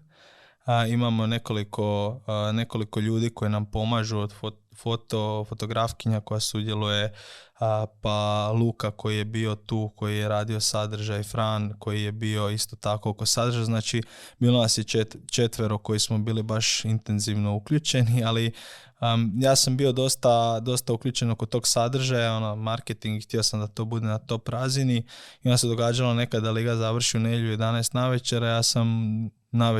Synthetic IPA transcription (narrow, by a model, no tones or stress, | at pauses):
imamone̞ko̞likʰo̞ne̞ko̞liko̞ʎuːd̪iːko̞jenampo̞maʒud̪fofot̪o̞fo̞t̪o̞ɡɾafkiɲako̞jasud̪je̞luje̞ | palˠuːkako̞jije̞biːo̞t̪uːko̞jijeɾaːd̪io̞sad̪ɾ̩ʒajifɾanko̞jije̞bio̞ist̪o̞t̪ako̞okosad̪ɾ̩ʒaznaːt͡ʃibiːlonasjeet͡ʃe̞t̪ʋe̞ɾoko̞jismo̞biːlibaʃint̪e̞nziʋno̞ukʎuːt͡ʃe̞niali | jaːsambio̞d̪o̞st̪ad̪o̞st̪auklʎuːt͡ʃe̞no̞kot̪o̞ːɡsad̪r̩ʒajao̞nomaɾket̪iŋɡxt̪iosamd̪at̪o̞ːbud̪e̞nat̪o̞pɾaziniio̞ndased̪o̞ɡaːd͡ʒalane̞kad̪ːaliɡazaʋr̩ʃiuneʎuje̞d̪anaːst̪naʋet͡ʃeɾajaːsam | naʋe